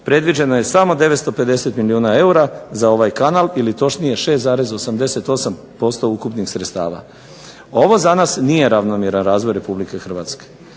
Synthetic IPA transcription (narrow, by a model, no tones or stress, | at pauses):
pɾe̞d̪ʋid͡ʑe̞no̞jesamo̞d̪e̞ʋet̪st̪o̞pe̞d̪e̞set̪miliuːnae̞uɾazao̞ʋajkanalilit̪o̞ʃnije̞ʃe̞st̪zaːɾe̞zo̞samd̪e̞se̞t̪o̞sam | po̞st̪o̞ukupnixsɾest̪a̰ːʋa̰ | o̞ʋo̞zanasnije̞ɾaʋnomjeɾanɾaːzʋo̞jɾe̞publike̞xr̩ʋat̪ske̥